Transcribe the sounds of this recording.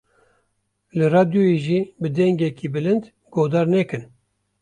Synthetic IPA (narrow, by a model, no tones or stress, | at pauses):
lɨrɑːd̪jojeːʒiːbɨd̪ɛŋɡɛkʰiːbɨlɨnd̪ | ɡ̥oːd̪ɑːɾnɛkɨn